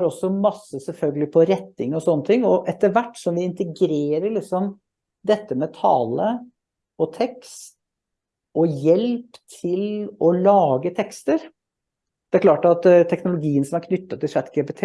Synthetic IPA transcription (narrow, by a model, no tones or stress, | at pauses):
ɾɔsːɔmɑsːəsɛlfœlɡəlɪpʰɔɾɛt̪ːɪŋɔsɔnːət̪ʰɪŋːɔʔɛt̪əɾʋæʈːsɔmʋɪɪnt̪əɡɾeːɾəɭɪksɔm | d̪ɛt̪ːəmɛt̪ʰɑ̰ːlə | ɔt̪ʰɛkst̪ | ɔjɛlpt̪ʰɪlɔlɑːɡət̪ʰɛkst̪əɾ | d̪ɛæɾkʰlɑːʈɑt̪t̪ʰːɛknʊlʊɡiːənsɔmæɾkʰnʏt̪ːɑt̪ʰːɪʂæt̪kʰəpɪt̪ʰː